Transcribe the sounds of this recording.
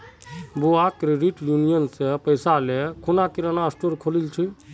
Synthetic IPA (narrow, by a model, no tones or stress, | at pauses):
buakɾeɖiʈjunijənsepəjsalekʰunakiɾənaəsʈoɾkʰolilt͡ʃʰi